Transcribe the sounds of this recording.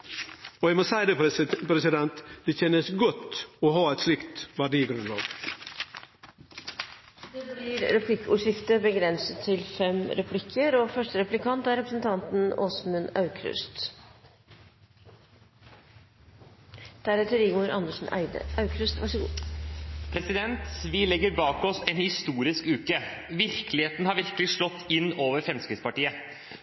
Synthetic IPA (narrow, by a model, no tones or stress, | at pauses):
ɔjæɪmosæɪd̪ɛpʰɾɛsɪd̪ɛnt̪d̪̥ɛçɛnəsɡɔt̪ːɔɦɑːæɪt̪slɪkt̪ʋæɖiːɡɾʉnlɑ̰ːɡ̥ | d̪ɛblɪɾɾɛpʰlɪkːəʊʂɪft̪əbəɡɾɛnsət̪ʰːɪlfɛmɾɛpʰlɪkʰːəɾɔfœʂʈəɾɛplɪkʰɑnt̪æɾɛpɾəsnt̪ʰɑnt̪n̩o̰ːsmʉnɑʉkʰɾʉ̰st̪ | d̪̥æːɾheːt̪əɾɪɡmuɾɑnd̪əʂn̩æ̰ɪd̪ə̰ʔɑʉkʰɾʉst̪ʋɑʂəɡː | pʰɾɛsɪd̪ɛnt̪ʋɪlɛɡːəɾbɑːkɔsɛnhɪst̪uːɾɪskʉːkə | ʋɪɾkəlɪheːt̪n̩əhɑɾʋɪɾkəlɪʂlɔt̪ːɪnːoːʋəɾfɾɛmskɾɪt̪spɑʈiːə